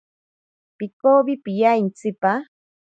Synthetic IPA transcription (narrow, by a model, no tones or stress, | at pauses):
pɪkobɪpijajnt͡sɪpa